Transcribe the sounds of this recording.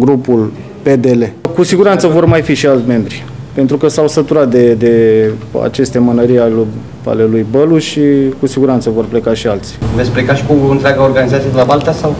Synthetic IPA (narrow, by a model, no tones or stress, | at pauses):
ɡɾupul | pe̞d̪e̞le̞kusiɡuɾant̪səvo̞rmajfiʃialt̪ʲme̞mbɾi | pe̞nt̪ɾukəsawsət̪uɾat̪̚d̪e̞d̪e̞a̰t͡ʃe̞st̪e̞mənəɾialu | a̰le̞lujbəluʃikusiɡuɾant̪səvo̞rple̞kaʃialt̪sʲi̥vespɾekaʃi̥kuɨnt̪ɾʲeaɡaorɡanizat̪sijed̪elabalt̪asaw